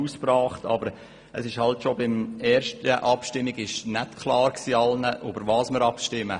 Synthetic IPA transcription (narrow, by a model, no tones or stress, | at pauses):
uːsprɑːχtɑ̰bəɾ | əsɪʃhɑltʃobɪmɛːɾʃtəʔɑpʃtɪmːiɡɪʃnɛtkʰlɑːɾksiːɑlnəʔøbəɾʋɑːsməɾɑpʃtɪmə